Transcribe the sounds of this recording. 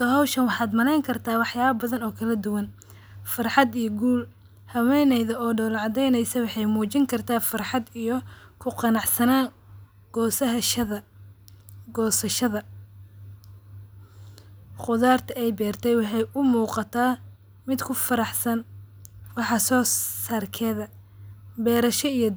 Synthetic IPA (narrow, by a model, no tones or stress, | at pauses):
t̪ʰɔɦɔwʃɐnwɑħɑːd̪mɐnɛjŋkʰɐrt̪ʰaːwɑħjaːβɐbɐðɐnɔːkʰɐlɐd̪ʊwɐn | fɑrħɑd̪ijɔɡuːl | hɐwɛjnɛjðɐɔːɖɔwlʕɑd̪ɛjnɛjsɐwɑħɑjmuːt͡ʃɪŋkʰɐrt̪ʰaːfɑrħɑd̪ijɞkʰʊqɑnɑʕsɐnaː | ɡ̥ɔːsɐɦʃɐðɐ | ɡɔːsɐʃɐðɐ | qʊðaːrt̪ʰɐɛjbɛːrt̪ʰɛjwɑħɑjʊmuːqɑt̪ʰaː | mɪd̪kʰʊfɐɾɑħsɐn | wɑħɑsɔːsaːrkʰɛːðɐ | bɛːɾɐʃɔij